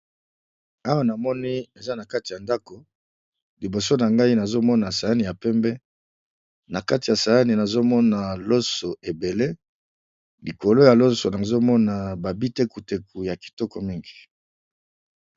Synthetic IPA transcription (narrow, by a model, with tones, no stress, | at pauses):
a˦wa˦na˨mɔ˦ni˦e˨za˦na˨ka˦ti˨ja˨nda˦ko˨ | li˨bo˨so˦na˨ŋɡa˦i˦na˨zo˦mɔ˦na˨sa˨ja˦ni˨ja˨pɛ˦mbɛ˦ | na˨ka˦ti˨ja˨sa˨ja˦ni˨na˨zo˦mɔ˦na˨lo˦so˨e˨be˨le˦ | li˨ko˨lo˦ja˨lo˦so˨na˨zo˦mɔ˦na˨ba˨bi˦te˦ku˨te˨ku˨ja˨ki̥˨tɔ˦kɔ˨mi˦ŋɡi̥˨